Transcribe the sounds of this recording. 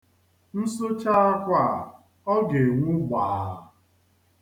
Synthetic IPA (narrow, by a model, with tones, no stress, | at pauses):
n̩˦so˦t͡ʃa˦a˦kʷa˦˨ | ɔ˦ɡe˨ŋʷu˦ɡ͡baː˨˦˨